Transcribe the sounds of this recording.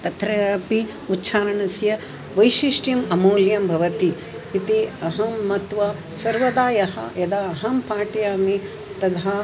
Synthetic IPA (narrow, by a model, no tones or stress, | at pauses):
t̪ɐt̪ɾɐɐpi | utːʃʰaːɾɐɳɐsjɐ | ʋɐjʃiʂʈjɐmɐmoːljɐmbʱɐʋɐt̪i | it̪iɐɦɐmːɐt̪ʋɐ | sɐɾʋɐd̪aːjɐɦɐ̰jɐd̪aːɦɐmpaːʈjaːmi | t̪ɐd̪ɦa